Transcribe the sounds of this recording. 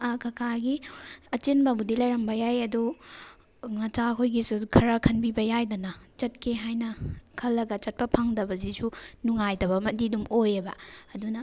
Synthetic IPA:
ɐkʰɐkʰaɡiɐt͡ʃenbɐbudilɐjɾɐmbɐjajɐdu | nɐt͡ʃakojɡisukʰɐɾɐkʰɐnbibɐjajdɐnɐt͡ʃɐt̚kʰeɦajnɐkʰɐlːɐɡɐt͡ʃɐt̚pɐpʰaŋdɐbɐzisunuŋajdɐbɐmɐdidumojebɐːdunɐ

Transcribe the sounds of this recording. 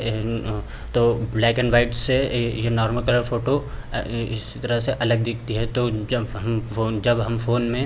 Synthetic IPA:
t̪oblɛːkɛ̃ɳɖʋaːɪʈssejenɔːɾməlkɐləɾfoːʈo | ɪsi̥t̪ɐɾəseʔɐləɡ̚d̪ɪk̚ʰt̪iɦɛt̪od͡ʒɦmfoːd͡ʒɐbɦɐmfoːnmẽ

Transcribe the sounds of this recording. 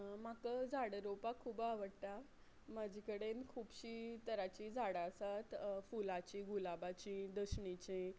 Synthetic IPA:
makəd͡zʱaɽəɾopakʰuːbaʋəɽt̪a | mad͡ʑʱikəɽenkʰuːbɕit̪əɾat͡ɕid͡zʱaɽasat̪fulat͡ɕiɡulabat͡ɕĩd̪əɕɳit͡ɕẽ

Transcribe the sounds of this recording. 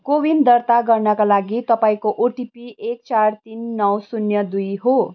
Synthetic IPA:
kowind̪ʌrt̪aɡʌrnʌkalaɡit̪ʌpaĩkoʔoʈipiek̚t͡sart̪inːʌwsunjʌd̪ujɦo

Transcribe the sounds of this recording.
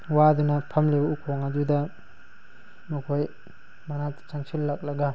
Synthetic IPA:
wadunɐpʰɐmlibɐukʰoŋad͡ʒudɐ | mɐkʰoj | manatt͡ʃaŋsilːak̚lɐɡa

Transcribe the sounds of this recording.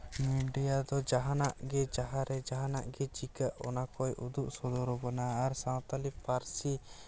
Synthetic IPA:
miɖijad̪ɔd͡ʒaɦanaʔɡɛd͡ʒaɦaɾɛd͡ʒaɦanaʔɡɛd͡ʒikaʔɔ̰nakɔjʔud̪uʔsɔd̪ɔɾɔbɔnaːɾsãwt̪alipaɾsi

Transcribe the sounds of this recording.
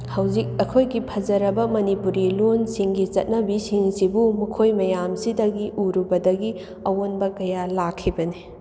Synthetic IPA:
hɐwzik̚ɐkʰojɡipʰɐd͡ʒɐɾɐbɐmɐnipuɾilonsiŋɡit͡ʃɐt̚nɐbisiŋsibumukʰojmɐjamsidɐɡiʔuɾubɐdɐɡi | ɐwonbɐkɐjalakʰːibɐni

